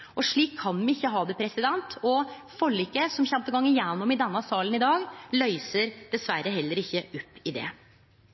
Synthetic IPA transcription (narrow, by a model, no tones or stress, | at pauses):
ʔɔʂɭiːkʰːɑnmɪɪçːəɦɑːd̪ɛpʰɾɛsɪd̪ɛnt̪ʰɔ | fɔlːʏkəsɔmçɛmt̪əɡɑŋːənjɛnːɔmɪd̪ɛnːəsɑːlənɪd̪ɑːɡlœʏsəɾd̪̥ɛsʋæɾəɦɛlːəɾɪçːəɔpːɪd̪ɛ̰